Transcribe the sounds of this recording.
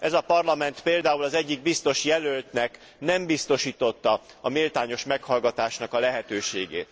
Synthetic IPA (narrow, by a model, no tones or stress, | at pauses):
ɛzɒpɒrlɒmɛnt̪peːld̪aːulɒzɛɟːiɡ̚bist̪o̞ʃjɛlølt̪nɛk | nɛmbist̪o̞ʃiːt̪o̞t̪ːɒ | ɒmilt̪aːɲo̞ʃmɛkhɒlɡɒt̪aːʃnɒkɒlɛɦɛt̪øːʃeːɡḛːt̪